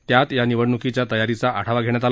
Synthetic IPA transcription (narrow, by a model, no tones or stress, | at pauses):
t̪jat̪janiʋəɽnukit͡ɕjat̪əjaɾit͡saʔaɽ̤ʰaʋaɡʱeɳ̃jat̪̬al